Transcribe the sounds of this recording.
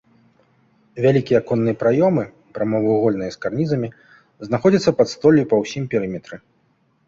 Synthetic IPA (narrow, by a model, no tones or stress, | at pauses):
vʲalʲikʲijɐkɔnːɨjɐpɾajɔmɨ | pɾamɔvɨɣɔlʲnɨjɐskarnʲizɐmʲi | znaxɔd͡zʲɐt̪sːɐpɐt̪st̪ɔlʲjupɐwsʲimpʲɛɾɨmʲɛt̪ɾɨ